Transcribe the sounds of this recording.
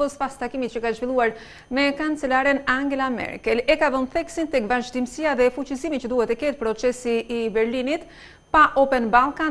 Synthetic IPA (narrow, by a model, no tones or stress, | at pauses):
ɔspast̪akimit̪t͡ʃəkaʒvilˠuaɾ | mɛkant͡sɛlaɾɛnaŋɡɛlamɛ̰ɾkɛlɛkaðɔnθɛksint̪ɛkvaʒd̪imsiaðɛfut͡ɕisimit͡ʃəd̪uhɛt̪ːɛkɛt̪̚pɾɔt͡sɛsiːbɛɾlinit̪ | paʔɔpɛnbalˠkan